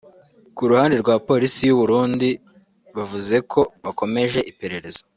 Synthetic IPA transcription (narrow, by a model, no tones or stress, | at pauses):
kuɾuhaːndeɾɡwaːpo̞ːɾisijuβuɾuːndi | βavuze̞kʰo̞βako̞me̞ʒe̞ʔipe̞ɾe̞ɾe̞zḁ